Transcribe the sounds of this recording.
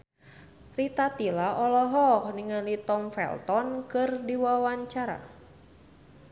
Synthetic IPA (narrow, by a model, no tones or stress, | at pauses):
rit̪at̪ilaʔɔlɔɦɔkniŋalit̪ɔmfɛ̰lt̪ɔnkɨrdiwawaɲt͡ʃaɾa̰